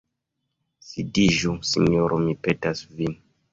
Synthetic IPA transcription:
sidiʒusḭɲoɾʔomipetasvin

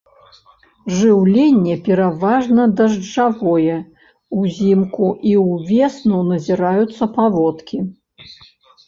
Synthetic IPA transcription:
ʐɨwlʲenʲːɛpʲɛɾavaʐnɐd̪ɐʐd͡ʐavɔjɛ | uzʲimkuʔiwvʲesnunɐzʲiɾajut̪sːɐpavɔt̪kʲi

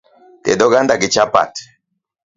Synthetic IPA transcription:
tɛ̰dɔɡand̪aɡit͡ʃapa̰t

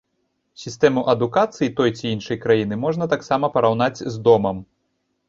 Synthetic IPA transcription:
sʲist̪ɛmuʔɐd̪ukat̪sɨjit̪ɔjt͡sʲiinʂɐjkɾajin̪ɨmɔʐnɐt̪aksamɐpɐɾawn̪ad͡zʲzd̪ɔmɐm

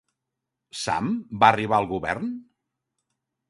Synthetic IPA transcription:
sa̰mbaəriβ̞aəlˠɣuβɛ̰rn

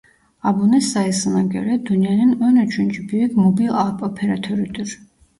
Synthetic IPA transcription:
abunɛsaɛsnaɡɛ̰ɾɛd̪unianɛnɔnat͡ʃʰunt͡ʃibiɛɡmɔbilapʼɔpʰɛɾat̪ʰɔɾit̪ʼuɾ

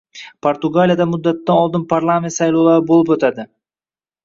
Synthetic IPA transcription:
pʰoɾt̪ʊɡalijad̪amʊd̪ːat̪ːanɒlˠd̪ɪnpʰaɾlˠamʲet̪sajlowlaɾɪbolˠɪpot̪ʰad̪ɪ

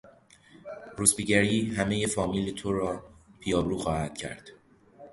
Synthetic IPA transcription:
ɾusbiɟæɾiːɦæme̞jefɒːmiːlet̪ʰoɾɒːpʰijɒːbɾuːxɒːhæd̪̥cʰæ̰ɾd̪̥

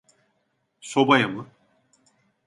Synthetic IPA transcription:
sobajamɯ

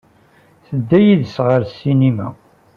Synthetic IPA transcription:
θəd̪ːæjiðsʁəɾsːinimæ̰

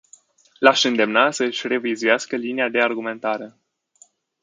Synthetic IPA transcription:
laʃɨnd̪e̞mnasəɨʃʲre̞vizujaskəlinead̪e̞arɡume̞nt̪aɾe̞

